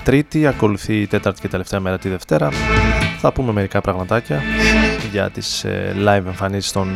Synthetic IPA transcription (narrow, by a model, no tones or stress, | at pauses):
t̪ɾit̪iɐko̞luθit̪e̞t̪ɐɾt̪i̥ce̞t̪e̞le̞ft̪e̞ɐme̞ɾɐt̪iðe̞ft̪e̞ɾɐθɐpume̞me̞ɾikɐpɾɐɣmɐt̪ɐcɐ | ʝɐ̰t̪islɐjve̞ɱfɐnisi̥st̪o̞n